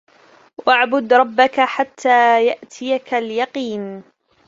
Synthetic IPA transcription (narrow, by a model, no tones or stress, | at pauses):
wʔaʕbʊd̪ɾˤɑbːakaħat̪ʰːaːjaʔt̪ʰɪjakaljɑqiːn